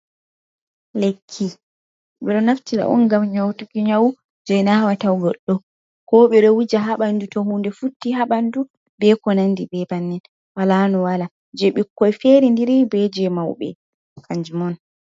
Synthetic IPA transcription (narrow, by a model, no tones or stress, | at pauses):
lekʰːi | ɓɛɗɔnaftiɾa̰ʔɔ̰nɡamɲɔwtukiɲawu | d͡ʒɔjnawatawɡɔɗːɔ | kɔɓɛɗɔwid͡ʒaɦaɓandutɔhundɛfutːiɦaɓandu | bɛkɔnandibɛbanːɛn | walanɔwala | d͡ʒɛɓikːɔjfeɾindiɾibɛd͡ʒɛmawɓɛ̰ | kaɲd͡ʒumɔn